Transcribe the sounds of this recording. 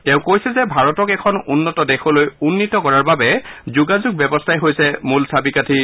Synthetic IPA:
tɛ̃ʊ̃kojsɛzɛbʱaɹɔtɔkɛkʰɔnunːɔtɔdɛxʰɔlojunːitɔkɔɹaɹbabɛzuɡazuɡ̚bɛbɔstʰajɦojsɛmulsʰabikatʰi

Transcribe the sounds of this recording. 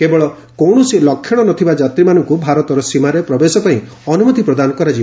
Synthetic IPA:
kebɔɭɔ | kowɳ̃ɔsilɔkʰːjɔɽ̃ɔnɔt̪ʰibad͡ʒat̪ɾimanɔŋkubʱaɾɔt̪ɔɾɔsimaɾepɾɔbesɔkɔɦĩ | ɔnumɔt̪ipɾɔd̪anɔkɔɾad͡ʒi

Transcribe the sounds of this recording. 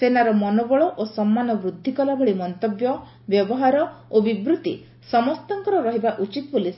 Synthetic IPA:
senaɾɔmɔnobɔɭɔʔosɔmːanɔbɾud̪ʱːikɔlabʱɔɭimɔnt̪objɔ | bjɔbɔɦaɾɔobibɾut̪i | sɔmɔst̪aŋkɔɾɔɾɔɦibaʔut͡ʃit̪ɔbolis

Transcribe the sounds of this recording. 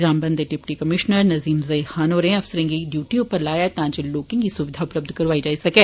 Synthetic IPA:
ɡɾaːmbə̃nd̪eɖɪpʈiːkəmɪʃnəɾnɐziːmzɐixaːnɦoːɾeɛ̃ɐfsəɾə̃ŋɡiɖjuːʈiʊpəɾlaːjat̪ãːd͡ʒeloːkɪ̃ŋɡiːsʊʋɪd̪ʱaʊpləb̚d̪ʱkɐɾʋaːid͡ʒaːisɐkeː

